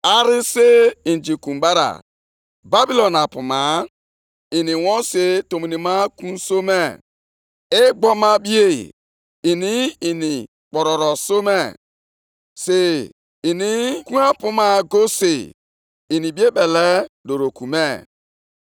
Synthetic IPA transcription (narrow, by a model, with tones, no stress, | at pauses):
a˦ɾɪ˦se˦i˨n˨d͡ʒi˨kũ˨mba˦ɾa̰˨ | ba˦bi˦lɔ˨na˨pʊ˨ma˨˦ | i˨ni˨wɔ̃˦se˦to˨mi˨ni˨ma˦kũ˦n˦so˦me˦˨ | e˦ɡ͡bɔ˦ma˦bi˦e˦˨ | i˨ni˦i˨ni˨ | k͡pɔ˨ɾɔ˨ɾɔ˨so˦me˦˨ | se˨ | i˨ni˦kũ˦a˦pu˦ma˦ɡo˦se˨ | i˨ni˨bi˦e˦bɛ˨lɛ˦do˨ɾo˨ku˨me˦˨